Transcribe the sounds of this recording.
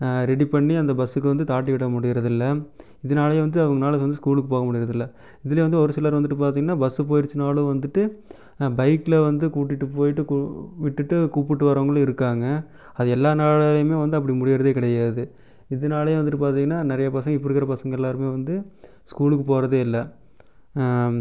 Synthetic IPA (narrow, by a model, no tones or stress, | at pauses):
ɾɛɽipɐɳːiɐnd̪ɐbɐsːɯkːɯʋɐnd̪ɯt̪aːʈːiʋɪɽːɐmʊɽɪjɪɾɐðɪlːɐ | ɪðɐnaːlɐj̃ʋɐnd̪ɯɐʋɐŋɡɐnaːlɐsʋɐnd̪ɯskuːlɯkːɯpoːɣɐmʊɽɪjɪɾɐðɪlːɐ | ɪðɪlɐjʋɐnd̪ɯɔɾɯsɪlaːɾʋɐnd̪ɯʈːɯpaːɾt̪iːŋɡɐnːaːbɐsɯpoːjɪɾt͡ʃːɯnaːlɯ̃ʋɐnd̪ɯʈːɯ | bɐɪkɪlɐʋɐnd̪ɯkuːʈ̬ːɪʈːɯpoːjɪʈːɯkːʋɪʈːɯʈːɯkuːpːɪʈːɯʋɐɾɐʋɐŋɡɐɭɯ̃ɪɾɯkːaːŋɡɐ | ɐðɯɛlːaːnaːɭlɐmeːʋɐnd̪ɯɐp̬ːɐɽimʊɽɪjɪɾɐðeːkɪɽɐjaːðɯ | ɪðɐnaːlɐjɐ̃ʋɐnd̪ɯʈːɯpaːɾt̪iːŋɡɐnːaːnɪɾɐjɐpɐsɐŋɡɐɪpːɐɾɯkːɪɾɐpɐsɐŋɡɐɛlːaːɾɯmeːʋɐnd̪ɯ | skuːlɯkːɯpoːɾɐðɯɪlːɐ